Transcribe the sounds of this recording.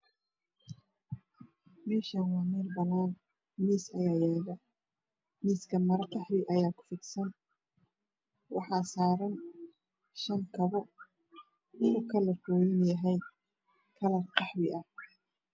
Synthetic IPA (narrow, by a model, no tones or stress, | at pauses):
mɛːʃɐnwɑːmiːrbɐnaːn | miːsɐjaːjɛːɣɐ | miːskʰɐmɐɾɐqɑħbɪʔɐjaːkʰʊ̥fɪɡsɐn | wɑ̰ħɑːsaːɾɐn | ʃɐŋkʰɐβɔ | ʊkʰɐlɐfɔːjɪnjɐɦɛj | kʰɐlɐrqɑħbɪʔɐ